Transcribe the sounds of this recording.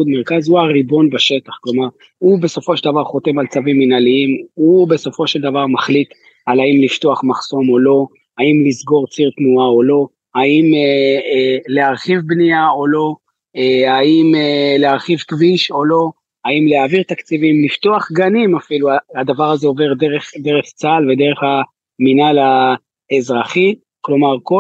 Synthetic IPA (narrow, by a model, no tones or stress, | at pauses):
ud̪meʁkazhuaʁibo̞nbaʃe̞t̪aχklo̞maʁ | hube̞so̞fo̞ʃeld̪avaʁχo̞t̪e̞malt͡saviminaliimube̞so̞fo̞ʃeld̪avaʁmaχlit̪ | alaimlift̪oaχmaχso̞mo̞lo̞ | haimlizɡo̞ʁt͡siʁt̪nuao̞lo̞ | haimeleaʁχivbniao̞lo̞ | eaimeleaʁχivkviʃo̞lo̞ | haimleaːviʁt̪akt͡sivimlift̪oaχɡanimafiluaad̪avaʁazeove̞ʁd̪eʁeχd̪e̞ʁeχt͡salved̪e̞ʁe̞χa | minala | ezʁaχi | klo̞maʁko